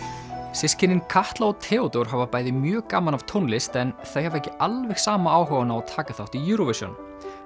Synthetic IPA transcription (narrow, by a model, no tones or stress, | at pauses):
sɪscɪnːɪnkʰaht̪laɔt̪ʰɛːɔt̪owɾ̥ɦavapaːjðɪmjœːkaːmanav̥t̪ʰownlɪst̪ɛnθejhavɛhcɪalvɛxsaːmaaːwɦœwvanaɔðt̪ʰaːkaθawht̪ijuːɾɔvɪsjɔ̰n